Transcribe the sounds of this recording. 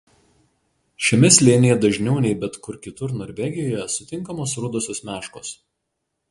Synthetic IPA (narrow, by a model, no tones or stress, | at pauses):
ʃʲɛmʲɛsʲlʲeːnʲɪjɛd̪ɐʒʲnʲɛʊnʲɛɪbʲɛt̪kʊɾkʲɪt̪ʊɾnɔːɾʲʋʲɛɡʲɪjojɛsʊt̪ʲɪŋkɐmoːsɾʊd̪oːsʲoːsmʲæːʃkoːs